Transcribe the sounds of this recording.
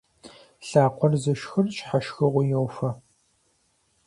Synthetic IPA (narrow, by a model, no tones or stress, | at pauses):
ɬaːqʷɔrzɨʃxɨrɕħaʃxɨʁʷʊjowfɐ